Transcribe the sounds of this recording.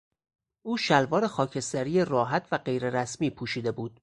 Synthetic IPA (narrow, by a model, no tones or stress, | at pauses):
ʔuːʃælvɒːɾe̞xɒːcʰe̞st̪æɾiːjerɒːɦæt̪ʰvæɢe̞jɾe̞ɾæsmiːpʰuːʃiːd̪e̞buːd̪̥